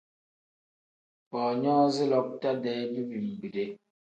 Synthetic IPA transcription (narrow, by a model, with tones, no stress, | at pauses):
pɔː˨ɲɔ̃ː˦zi˦lɔ˦k̚ta˦dɛː˦du˦bi˨m̩˨bi˨de˦